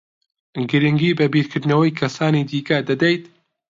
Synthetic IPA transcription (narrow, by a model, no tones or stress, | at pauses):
ɡɨɾɨŋɡiːbɐbiːɾkʰɨɾd̪nɐwɐjkʰɐsaːniːd̪iːkɐd̪ɐd̪ɛjt̪